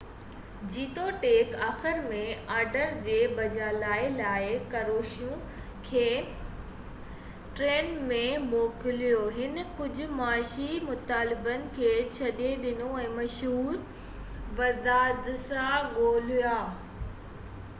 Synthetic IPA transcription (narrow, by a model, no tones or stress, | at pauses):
d͡ʑiːt̪oʈeːkaːxɪɾmẽaːɾɖəɾd͡ʑeːbɐd͡ʑaːlaːɪlaːɪkɐɾoːʃjũ | kʰeː | ʈɾeːnmẽmoːkɪlijoɦɪnkʊd͡ʑʱʊ̆maːʃimʊt̪aːlɪbənɪ̆kʰeːt͡ɕʰɐɗeɗɪnoɛ̃ːmɐʃɦuːɾ | ʋɐd̪aːd̪ɪsãɡoːlijaː